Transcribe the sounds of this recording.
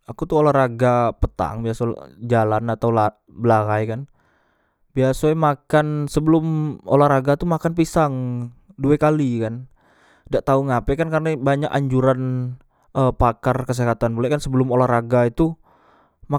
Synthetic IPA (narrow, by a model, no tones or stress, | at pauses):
akut̪uolahraɡapət̪a̰ŋbiasa̰d͡ʒalanat̪aula | bəlaɦajkan | biasamakansəbəlʊmo̰lahraɡat̪umakanpisaŋduɛkalikan | daʔt̪auŋapɛkankarnabaɲakaɲd͡ʒuɾan | əpakarkəs̬eɦat̪anbulɛkansəbəlʊmolaraɡait̪u | ma